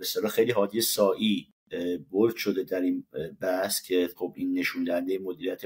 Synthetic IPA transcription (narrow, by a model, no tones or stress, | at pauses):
best̪elɒːxejliːɦɒːd̪ijesɒːʔiː | boɾd̪ʃo̞d̪e̞d̪æɾinbæhscʰe̞xo̞binːe̞ʃuːnd̪æhænd̪ejemo̞d̪iːɾijæt̪ʰe